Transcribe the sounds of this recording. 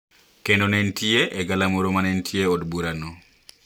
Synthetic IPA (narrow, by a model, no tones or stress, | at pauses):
kendonɛntʰieʔɛɡalamoɾomanɛntʰjeodbuɾanɔ